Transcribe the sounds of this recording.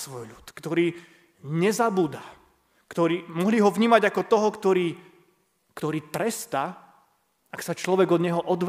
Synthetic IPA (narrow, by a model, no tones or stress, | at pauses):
sʋɔjʎut̪kt̪ɔɾiː | ɲɛzabuːd̪a | kt̪ɔɾiːmɔɦliːɦɔʋɲiːmaɟakɔt̪ɔɦɔkt̪ɔɾiː | kt̪ɔɾiːt̪ɾɛst̪a | aksat͡ʃlɔʋɛɡɔd̪ɲɛɦɔʔɔd̪ʋ